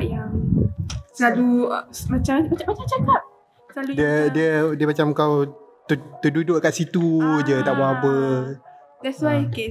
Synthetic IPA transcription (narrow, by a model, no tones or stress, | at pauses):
ʔja | salumat͡ʃammaamat͡ʃamt͡ʃak̪aʔ̚ | saludiədiədiəmat͡ʃamkawt̪ət̪ədudʊʔkaʔsit̪ud͡ʒət̪aʔbaɦabə | d̪ɛswajke